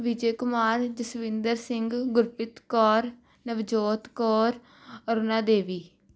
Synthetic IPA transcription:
ʋɪd͡ʒeːkʊmaːɾd͡ʒəsʋɪ̃nd̪əɾsɪŋɡɡʊɾpɪt̪kɔːɾ | nəʋd͡ʒoːt̪kɔːɾ | əɾʊnãːd̪eːʋiː

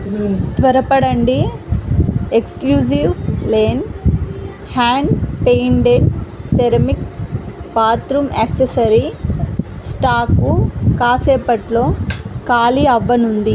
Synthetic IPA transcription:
t̪ʋɐɾɐpɐɽɐɳɖi | ekskluːd͡ʒiʋleːn | haːɳɖpejɳɖeɖseɾɐmikpaːt̪ɾumaːksesɐɾi | sʈaːkukaːseːpɐʈlo̞ːkaːliɐʋːɐnund̪i

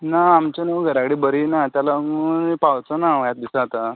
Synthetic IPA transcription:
naːmt͡ɕanəɡʱəɾakɽiːbəɾinat̪jalaunpawt͡sənaəjat̪̚d̪isaat̪a

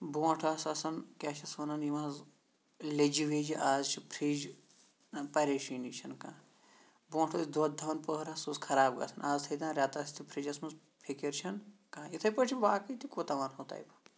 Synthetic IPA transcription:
boːʈʰɐsɐsɐnkʲaːt͡ʃʰɐsɐːnɐnimaːz | led͡ʒiʋeːd͡ʒiʔaːzt͡ʃʰipʰɾid͡ʒ | pɐɾeːʃinit͡ʃʰɐnkãː | bõːʈʰɐsʲd̪ɐd̪d̪ʱɐʋɐnpəɦɾɐsuzkʰɐɾaːbɡɐ̰sʰɐnaːzt̪ʰɐd̪ãːnɾʲjaːt̪aːsʲit̪ʰipʰɾid͡ʒɐsmɐz | pʰikiɾt͡ʃʰɐnkãːjit̪ʰɐpət͡ʃʰiʋaːkɨt̪ʰikoːt̪ɐʋaɾɦoːt̪a̰ːjb

